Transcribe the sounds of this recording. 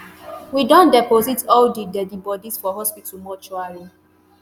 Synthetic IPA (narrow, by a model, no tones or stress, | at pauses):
widɔ̃ndɛpozitɔldidɛdibɔdisfɔɦɔspitʰumɔt͡ʃuaɹi